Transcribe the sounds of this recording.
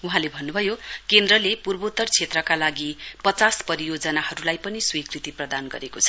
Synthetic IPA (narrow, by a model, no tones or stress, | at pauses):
uɦãlebʱʌnːubʱʌjokend̪rʌlepurbot̪ːʌrt͡sʰet̪rʌkalaɡipʌt͡saspʌɾijod͡zʌnahʌɾulajpʌniswikrit̪iprʌd̪anɡʌ̰ɾekot͡sʰʌ̥